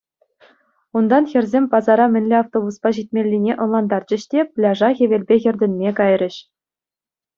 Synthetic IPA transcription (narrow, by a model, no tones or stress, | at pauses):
und̪ɑnxʲɘ̆rʲzʲemʲpɑzɑɾɑmʲɘ̆nʲlʲeɑft̪obuspɑʑit̚ʲmʲelʲːinʲeʔɤ̆nlˠɑnd̪ɑrd͡ʑɘ̆ɕtʲeplʲɑʐɑxʲĕʋʲelʲbʲexʲɘ̆rʲdʲɘ̆nʲmʲekɑjrʲɘ̆ɕ